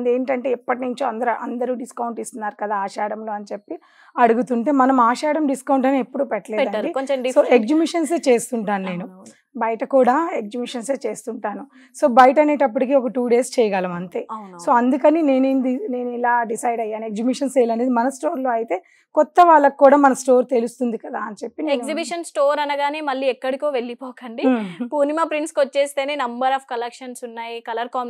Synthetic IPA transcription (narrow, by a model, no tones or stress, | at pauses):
nd̪eːɳʈɐɳʈeːipːɐʈinuɲt͡ʃoːɐnd̪ɐɾuʔɐnd̪ɐɾuɖiskɐwɳʈist̪unːaːɾukɐd̪aːaːʃaːɽɐmlo̞ːɐnit͡ʃepːi | ɐɽuɡut̪uɳʈe̞ːmɐnɐmaːʃaːɽɐmɖiskɐwɳʈɐneepːuɽupɛʈːɐleːdɐɖisoːekd͡ʒimiʂɐns̬eːt͡ʃe̞ːst̪uɳʈaːnune̞ːnu | bɐjɐʈɐkuːɽaːeɡ̚d͡ʒimiʂɐnse̞ːt͡ʃe̞ːst̪uɳʈaːnu | so̞ːbɐjɐʈɐne̞ːʈɐp̬ːuʈik̬iɔkɐʈuːɖe̞ːst͡ʃɛːjɐɡaːlɐmɐnt̪eːso̞ːɐnd̪ukɐnine̞ːnːnd̪ine̞ːnuilaːɖisɐjɖɐjːaːniekd͡ʒibiʂɐnseːlɐneːd̪imɐnɐsʈo̞ːɾloːɐjit̪e̞ː | kɔt̪ːɐʋaːɭːɐkikːuːɽaːmɐnɐsʈo̞ːɾt̪e̞lust̪und̪ikɐd̪aːɐnɐt͡ʃe̞pːineenzibiʃɐnsʈoːɾɐnɐɡaːne̞ːmɐɭːiːɛkːɐɽikoːʋe̞ɭːipɔːkɐɳɖipuːnimaːpɾiɳʈskot͡ʃːeːst̪eːneːnɐmbɐɾaːfkɐlekʂɐnsunːaːjikɐlɐɾkaːm